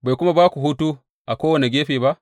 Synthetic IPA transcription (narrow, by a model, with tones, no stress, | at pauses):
ba˨jkʷu˦ma˦baː˦ku˨ɦu˦tu˦ | ʔa˨kʷoː˦wɐ˨ni˨ɡʲeː˦ɸeː˨ba˦ʔ